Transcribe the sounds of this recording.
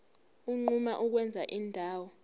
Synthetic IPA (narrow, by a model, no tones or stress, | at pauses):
uŋ͡ǃumaʔuk̬wɛnd͡zʱaʔindʱaːwɔ